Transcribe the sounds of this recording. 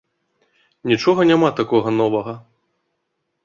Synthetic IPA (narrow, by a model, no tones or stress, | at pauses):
nʲit͡ʂɔɣɐnʲamat̪akɔɣɐnɔvɐɣɐ